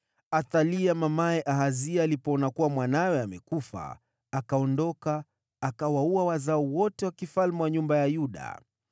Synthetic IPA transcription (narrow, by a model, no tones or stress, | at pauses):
aθaliamamaɛʔaɦaziaːlipɔɔnakuwamwanajɔamɛkufa̰ | akaɔndɔkaː | kawauawazaɔwɔtɛwakifalmɛwaɲumbajajuɗa̰